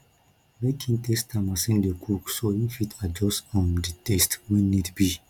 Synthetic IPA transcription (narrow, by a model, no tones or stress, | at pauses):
mekʰĩntestãmasɛ̃ndekʰuksoĩnfitʰad͡ʒɔsɔ̃nditestwĩnidbi